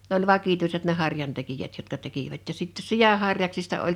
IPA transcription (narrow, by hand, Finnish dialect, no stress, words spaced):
nĕ olʲ ʋɑkituiset ne hɑrjɑntekijæt jotkɑ tekiʋæt jɑ sitːe sij̆ɑ hɑrjɑksistɑ olʲ